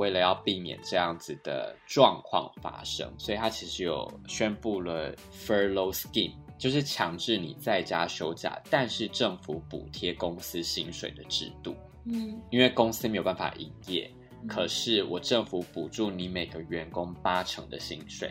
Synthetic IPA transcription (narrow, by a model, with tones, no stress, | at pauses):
we˥˩ɪlə˩˨jɑ˥˧ʊpi˥˩mjɛ̰˨˩nʈ͡ʂɤ˥˧jɑ˥˩ŋd͡zɹ̩˩d̪ə̰˩ʈ͡ʂwɑ˥˧ŋkʰwɑ̰˥˧ŋfa̰˥ʂɤ̰˥ŋswɔ˧˥i˨t̪ʰa˥t͡ɕʰi˧˥ʂɻ̩˧˥jo̰˨˩ʊɕɥɛ˦˥npu˥˩lə˩ | fə˥lo˦ʊskḭ˥˧nt͡ɕjo˥˧ʊʂɻ̩˥˩t͡ɕʰjɑ˧˥ŋʈ͡ʂɻ̩˥˩nḭ˨˩t͡sa˥˩ɪt͡ɕja˥ɕjo˥ʊt͡ɕja̰˨˩t̪a˥˧nʂɻ̩˥˧ʈ͡ʂɤ˥˩ŋfu˧˥pṵ˨˩t̪ʰjɛ˥kʊ˥ŋsɹ̩˥ɕi˥ŋʂwe˨˩ɪd̪ə˩ʈ͡ʂɻ̩̰˥˧t̪ṵ˥˩ | i˥nwe˥˩ɪkʊ˥ŋsɹ̩ɨ˥me˧˥jo˨˩ba˥˩n˩fa̰˨˩ʔḭ˧˨˩njɛ̰˥˩ | kʰɤ˨˩ʂɻ̩˥˩wɔ˨˩ʈ͡ʂɤ˥˩ŋfu˧˥pu˨˩ʈ͡ʂu˥˩ni˧˥me˨˩ɪɡə˦ɥɛ˧˥nkʊ˥ŋpa˥ʈ͡ʂʰɤ̰˧˥ŋd̪ə̰˧ɕi˥ŋʂwḛ˨˩ɪ